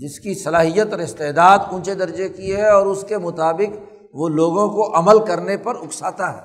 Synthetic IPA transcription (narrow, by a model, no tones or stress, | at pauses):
d͡ʒɪskisɐlaːɦijət̪ɔːɾɪst̪eːd̪aːd̪ũːt͡ʃed̪ɐɾd͡ʒekiɦɛɔːɾʊskemʊt̪aːbɪk | ʋoloːɡõkoʔɐməlkɐɾnepɐɾʊksaːt̪aɦɛ̰ː